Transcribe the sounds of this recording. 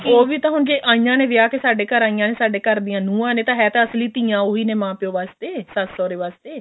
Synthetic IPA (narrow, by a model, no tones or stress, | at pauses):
oːʋiːt̪ãːɦʊɳd͡ʒeːʔãːĩːãːneːʋɪjaːkeːsaːɖeːkəɾaːĩjãːneːsaːɖeːkəɾd̪iːjãːnũːãːneːt̪ãːɦɛːt̪ãːəsliːt̪iːãːoːɦiːneːmãːpɪjoːʋaːst̪eːsasɔːɾeːʋaːst̪eː